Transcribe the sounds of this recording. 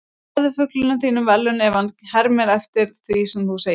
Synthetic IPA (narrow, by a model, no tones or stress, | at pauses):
ðʏfʏklʏnʏθiːnʏmvɛlːʏnɛːvanhɛɾmɛɾɛft̪ɪɾ̥θvisɛmθuseː